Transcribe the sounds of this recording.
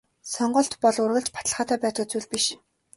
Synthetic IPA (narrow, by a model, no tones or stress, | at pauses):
sɔɴɢɞ̆ɬt̪pɔɮʊrɣə̆ɮt͡ɕpḁt̪ə̆ɮχaːt̪ʰæːpæːt̪ə̆t͡suːɮpiʃ